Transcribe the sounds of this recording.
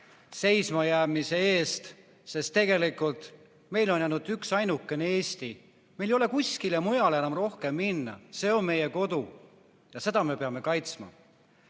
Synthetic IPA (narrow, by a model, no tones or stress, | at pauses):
se̞jsmɑjæːmise̞e̞ːst̪ | se̞st̪ːe̞ɡe̞likult̪ˑ | me̞jlo̞njænud̪yksɑjnukːˑe̞neeːsʲt̪i | mejlejo̞le̞kusʲkilemujɑlenɑmro̞hke̞mːinːɑ̰se̞o̞nme̞je̞ko̞d̪̥u | jɑse̞d̪̥ɑme̞pe̞ɑme̞kɑjt̪smɑ̰